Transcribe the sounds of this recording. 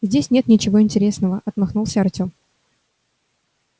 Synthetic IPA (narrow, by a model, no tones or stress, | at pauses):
zʲdʲesʲnʲet̪nʲɪt͡ɕɪvo̞ɪnʲtʲɪɾʲesnəvəʔɐt̪mɐxnulˠsʲəɐrtʲo̞m